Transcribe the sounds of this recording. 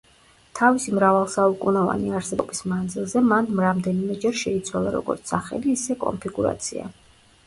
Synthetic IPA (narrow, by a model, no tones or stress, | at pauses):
t̪ʰavisimɾavalˠsaukʼunɔva̰niaɾsɛbɔbismand̪zilˠzɛmanmɾamd̪ɛnimɛd͡ʒɛɾʃɛit̪sʰwalˠaɾɔ̰ɡɔ̰ɾt̪ssaχɛ̰liːsɛkʼɔ̰mpʰiɡuɾa̰t̪sʰḭa̰